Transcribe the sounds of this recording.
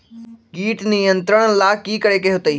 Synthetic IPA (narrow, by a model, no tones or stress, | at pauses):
ɡiːʈnijə̃nt̪ɾəɽ̃laːkiːkəɽekeːɦʊt̪əiː